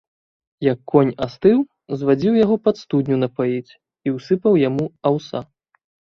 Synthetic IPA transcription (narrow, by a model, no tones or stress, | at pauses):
jɐkːɔnʲast̪ɨw | zvad͡zʲiwjaɣɔpɐt̪st̪ud̪ʲnʲunɐpajit͡sʲ | iwsɨpɐwjamuawsa̰